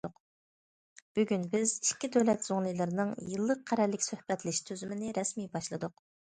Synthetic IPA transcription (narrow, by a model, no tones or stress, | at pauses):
q | b̥yɡʲynbɪziʃkʲːid̪øwlɛt̪zoŋlˠɨjlˠɨɾɪnɨŋjɨlˠːəq̚qʰːæɾɛlːɪkʲsøhbɛt̪lɪʃt̪ʰøzymɪnɪɾɛsmijbɑʃlˠɨd̪ʊq